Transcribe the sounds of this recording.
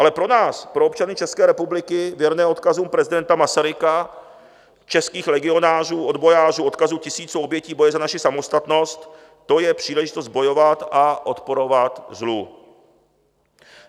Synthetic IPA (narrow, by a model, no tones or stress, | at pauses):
ʔalɛpɾo̞naːspɾo̞opt͡ʃanɪt͡ʃɛskɛːɾɛpublɪkɪvjɛɾnɛːo̞t̪kazuːmpɾɛzɪdɛnt̪amasaɾɪka | t͡ʃɛskiːxlɛɡɪo̞naːr̝uːʔo̞d̪bo̞jaːr̝uːʔo̞t̪̚kazuːcɪsiːt͡suʔo̞bjɛciːbo̞jɛzanaʃɪsamo̞st̪at̪no̞st̪ː | o̞jɛpr̝̥iːlɛʒɪt̪o̞st̪̚bo̞jo̞vat̪ʔaʔo̞t̪po̞ɾo̞vat̪zlu